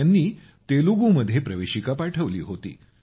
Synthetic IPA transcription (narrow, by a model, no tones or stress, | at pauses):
anːiː | t̪eluɡuməd̪ʱːjepɾəʋeɕikapaʈʰəʋliːɦot̪ḭː